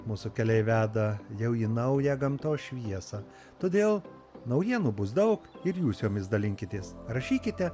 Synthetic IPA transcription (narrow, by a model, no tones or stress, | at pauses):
muːsʊkʲɛlʲɛɪʋʲæːd̪ɐjɛʊiːnɐʊjɛɡɐmt̪oːʃʲʋʲiɛsɐ | t̪oːd̪ʲeːlˠ | nɐʊjiɛnuːbʊs̬d̪ɐʊkɪɾjuːsjoːmʲɪzd̪ɐlʲɪŋʲkʲɪt̪ʲeːsɾɐʃʲiːkʲɪt̪ʲɛ